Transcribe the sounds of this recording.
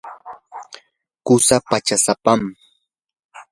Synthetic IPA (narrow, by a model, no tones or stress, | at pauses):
kʊsapat͡ʃasapam